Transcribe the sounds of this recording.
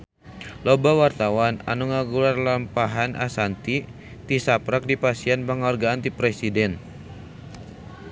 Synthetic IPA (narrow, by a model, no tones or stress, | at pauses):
lobawart̪awana̰nuŋaɡularlampaɦanʔa̰sant̪i | t̪isapɾak̚dipasianpəŋarɡaant̪ipɾɛsidɛn